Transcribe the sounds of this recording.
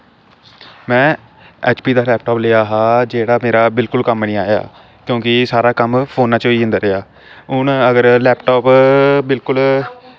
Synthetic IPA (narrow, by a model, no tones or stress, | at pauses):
mɛ̃ː | ɛ̰ːt͡ʃpiːd̪aːlɛːpʈoːpleːaːɦaːd͡ʒeːɽaːmeːɾaːbɪlkʊlkəmnĩːaːja̰ː | kjõːkɪsaːɾaːkəmpʰoːnːaːt͡ʃoːiːɦɪ̃nd̪aːɾɪaː | ʊɳəɡəɾlɛːpʈoːpbɪlkʊl